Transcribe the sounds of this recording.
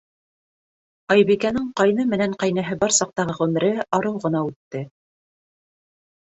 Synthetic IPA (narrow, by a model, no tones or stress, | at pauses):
ɑjβikænɘɴqɑjnɤmɘ̆næɴqɑjnæɦɘbɑɾsɑq̚t̪ɑʁɤʁʉmɘ̆ɾɘɑɾɤwʁɤ̆n̪ɑʉt̪ːɘ